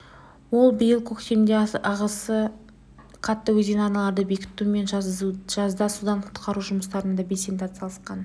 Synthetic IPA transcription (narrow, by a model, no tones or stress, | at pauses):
wo̞lˠbɪjɪlˠkʲʰɵkt̪e̞md̪eɑʁɑsə | qʰɑt̪ːəwɵzdʲenɑnɑlˠɑɾd̪əbe̞kʲɪ̥t̪ːume̞nʒ̥ɑzd̪ɑsud̪ɑɴqʰʊ̥t̪qɑɾuʒʊməst̪ɑɾənd̪ɑbesent̪ʰat̪sɑlˠəsqɑn